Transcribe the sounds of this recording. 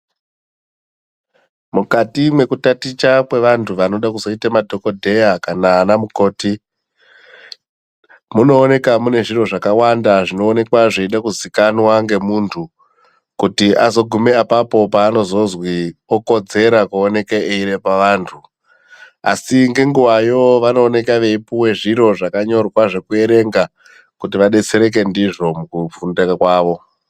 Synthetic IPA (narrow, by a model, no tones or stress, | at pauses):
mukatimwe̞kutatit͡ʃakwe̞ʋantʰuʋano̞ɗakuzo̞itamadʱo̞ko̞dʱe̞jakanaːnamuko̞ːti | muno̞ːne̞kamune̞ʐiro̞ʐakawandaʐino̞ːne̞kwaʐeiɗakuzikanwaŋɡe̞muːntʰu | kutiʔazo̞ɡʱume̞apapo̞paːno̞zo̞zwioko̞d͡ze̞ɾakuone̞keʔeiɾe̞paʋaːntʰu | a̰siŋɡe̞ŋɡuʋajo̞ʋano̞ːne̞kaʋe̞ipuwe̞ʐiɾo̞ʐakaɲo̞rwaʐe̞kue̞ɾe̞ŋɡa | kutiʋaɗe̞t͡se̞ɾe̞k̬e̞ndiʐo̞mukufundekakwaːʋo̞